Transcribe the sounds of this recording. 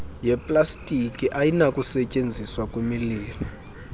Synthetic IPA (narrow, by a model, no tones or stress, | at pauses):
jɛpʼlastʼikʼiʔajinakʼusɛcʼend͡zʱiswakʼwemiliːmi